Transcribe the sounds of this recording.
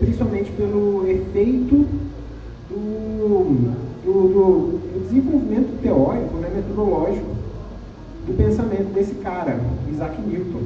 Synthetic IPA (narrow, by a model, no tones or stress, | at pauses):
pɾĩsi̥pawmẽt͡ʃɪ̥pelʊefejt̪ʊ | d̪ʊ | d̪ʊd̪ʊd̪ʊd͡ʒɪzẽvowvimẽnt̪ʊt̪eɔɾikʊnɛmet̪od̪olɔʒikʊ | d̪ʊpẽsamẽnt̪ʊd̪esɪ̥kaɾɐizakɪniwt̪õ